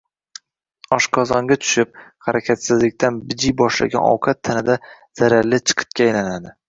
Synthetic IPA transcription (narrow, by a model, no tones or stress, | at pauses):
ɒʃqʰɒzɒŋɡʲat̪ʰʊ̥ʃɪp̚χaɾakʲʰat̪sɪzlɪk̚ʲt̪ʰanbɪd͡ʒijbɒʃla̰ɡʲa̰nɒ̰wqʰɑt̪ʰːanɪd̪a | z̥aɾaɾlɪt͡ʃʰɨ̥qʰɨ̥t̪̚kʲaːjlanad̪ɪ